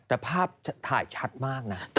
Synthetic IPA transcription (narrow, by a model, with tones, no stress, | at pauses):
t̪a˧˩pʰaː˧p̚t̪ʰaː˧˩jt͡ɕʰat̪̚maː˧k̚nat̪